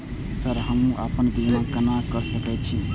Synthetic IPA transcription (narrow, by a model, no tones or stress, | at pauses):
səɾɦəmũʔapənd̪inakənakəɾsəkɛt͡ʃʰi